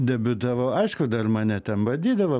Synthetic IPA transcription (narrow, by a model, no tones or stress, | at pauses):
d̪ʲɛbʲʊd̪ɐʋɐʊɐɪʃkʊd̪ɐrmɐnʲɛt̪ʲɛnʋɐdʲiːd̪ɐʋɐ